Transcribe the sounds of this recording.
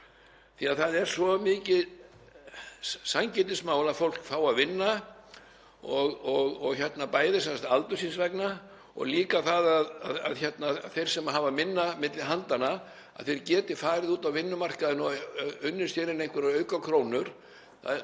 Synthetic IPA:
θiaðθaðɛɾ̥svɔmɪːcɪ | saɲcɛt̪ɪsmaːwlaðfowl̥kfaːwaðvɪnːa | ɔɣɔɣɔɣçɛt̪napaːjðɪsɛnsḁt̪alt̪ʏ̥sinsvɛkna | ɔ̰ɣliːkaθaðaðaða̰ðçɛt̪naθejɾ̥sɛmaɦavamɪnːamɪt̪lɪɦant̪ana | a̰ðθejɾcɛːt̪ɪfaːɾɪðuːt̪awvɪnːʏmar̥kaðʏnɔʏnːʏst̪jɛːɾɪnejŋkvɪɾaœːɥkakʰɾoːwnʏɾ̥ | θa̰

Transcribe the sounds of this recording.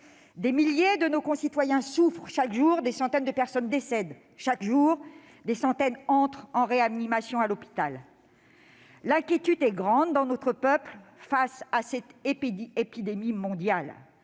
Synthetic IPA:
d̪emiljed̪ənokɔ̃sit̪wajɛ̃sufχʃakʒuʁd̪esɑ̃t̪ɛnd̪əpɛʁsɔnd̪esɛd̪ | ʃakʒuːʁ | d̪esɑ̃t̪ɛnɑ̃t̪χɑ̃ʁeanimasjɔ̃alɔpi̥t̪al | ɛ̃kʲjet̪yd̪ɛɡʁɑ̃d̪ːɑ̃nɔt̪χəpœplfasasɛt̪epepid̪emimɔ̃d̪jal

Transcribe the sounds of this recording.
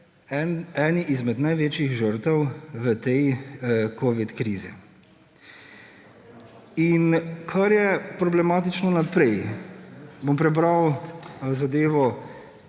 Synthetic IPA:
ɛɛːniʔizmɛd̪najʋeːt͡ʃiɣʒəɾt̪əwʋət̪ɛjkʰoːʋit̪kɾiːzḭ | inkʰaɾjɛpɾɔblɛmaːt̪it͡ʃnɔnapɾɛj | bompɾɛbɾawzad̪eːʋɔ

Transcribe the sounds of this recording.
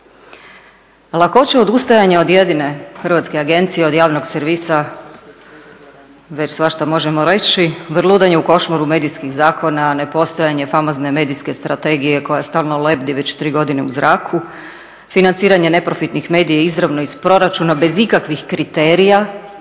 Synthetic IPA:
lˠako̞t͡ɕeo̞d̪ust̪ajaɲeo̞d̪je̞d̪ine̞xr̩ʋat̪skeaɡe̞nt̪sijeo̞d̪jaːʋno̞ɡseɾʋisa | ʋe̞t͡ɕsʋaʃt̪amo̞ʒemo̞ɾe̞t͡ɕiʋrlˠuːd̪aɲe̞uko̞ʃmaɾume̞d̪ijskiɣzaːkʰo̞nane̞po̞st̪ojaɲe̞famo̞zne̞me̞ːd̪iske̞st̪ɾat̪e̞ɡije̞ko̞jast̪aːlˠnole̞bd̪iʋe̞t͡ɕt̪ɾiːɡo̞d̪ineuzɾaːkʰu | finant̪siːɾaɲene̞pɾo̞fit̪nixme̞ːd̪ijaizɾaʋnoispɾo̞ɾat͡ʃunabe̞zikakʋixkɾit̪e̞ːɾija

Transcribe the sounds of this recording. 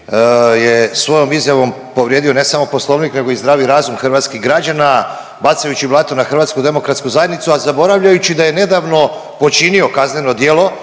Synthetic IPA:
jesʋo̞jo̞mizjaʋo̞m | po̞ʋɾjed̪io̞ne̞samo̞po̞slˠo̞ːʋnikne̞ɡoizd̪ɾaːʋiɾaːzumxr̩ʋaːt̪skiɦɡɾad͡ʑana | bat̪sajut͡ɕiblˠat̪onaxr̩ʋaːt̪skud̪e̞mo̞kɾat̪skuzajed̪nit̪suazabo̞ɾaʋʎajut͡ɕid̪aje̞ne̞d̪aʋno̞ | po̞t͡ʃinio̞kazne̞no̞d̪je̞lˠo̞

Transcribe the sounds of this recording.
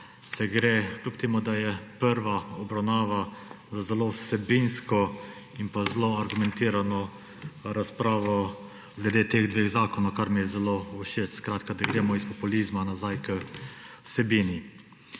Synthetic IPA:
sɛɡɾeklupt̪imɔd̪ajɛpəɾʋaɔbɾawnaːʋa | zazɛlowsɛbinskɔ | inpazloaɾɡumɛ̃nt̪iːɾanɔ | ɾaspɾaːʋɔ | ɡlɛd̪eːt̪eːɣd̪ʋeːɣzaːkɔnɔwkaɾmijɛzɛlouʃesskɾaːt̪kad̪aɡɾeːmɔispɔpulizmanazajkəwsɛbiːni

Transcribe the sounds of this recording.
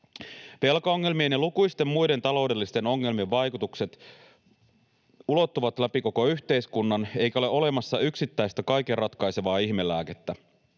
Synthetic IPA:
ʋe̞lkɑoŋːe̞lmienelukujst̪e̞mmujde̞nt̪ɑlo̞wde̞lːist̪e̞no̞ŋːe̞lmie̞ʋʋɑjkut̪ukse̞t̪ | ulo̞t̪ːuʋɑt̪læpiko̞ko̞yçt̪e̞jskunːɑne̞jkæoleʔo̞le̞mɑsːɑyksit̪ːæjst̪ækɑjke̞rrɑt̪kɑjse̞ʋɑːiçme̞lːˑæːket̪ːæ

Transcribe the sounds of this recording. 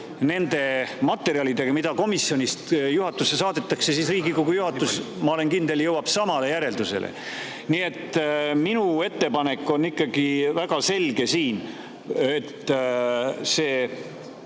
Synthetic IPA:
ne̞nd̪e̞mɑt̪ːˑe̞ɾiɑlid̪e̞ɡ̥ɑmid̪̥ɑko̞misːjonʲist̪juɦɑt̪ːˑusːe̞sɑːd̪et̪ːɑkse̞siːsriːɡikoɡujuhɑt̪ːˑus | mɑole̞nkind̪e̞ljɤwɑb̥sɑmɑle̞jæɾe̞ld̪use̞̰lʔḛ | nie̞t̪ːˑminue̞t̪ːe̞pɑne̞kːˑo̞nːikˑːɑɡ̥ivæɡ̥ɑse̞lɡe̞siːn | et̪ː | seː

